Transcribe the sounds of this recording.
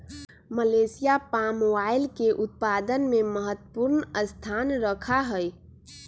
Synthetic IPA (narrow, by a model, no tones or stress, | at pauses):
məlesijapamwaɪlkeʔʊt̪̚pad̪ənmeməɦət̪ːəpuɾnəst̪ʰanɾəkʰaɦəj